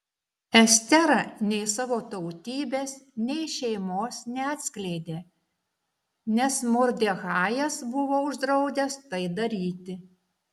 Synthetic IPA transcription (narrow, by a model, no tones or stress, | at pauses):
ɛsʲt̪ʲɛɾɐnʲɛɪsɑːʋoːt̪ɒʊt̪ʲiːbʲeːsnʲɛɪʃʲɛɪmoːsnʲɛɑːt̪ʲsʲkʲlʲɛɪd̪ʲeː | nʲɛsmʊɾʲd̪ʲeɣɑːjɛsbʊʋoːʊʒd̪ɾɐʊd̪ʲɛst̪ɐɪd̪ɐɾʲiːt̪ʲɪ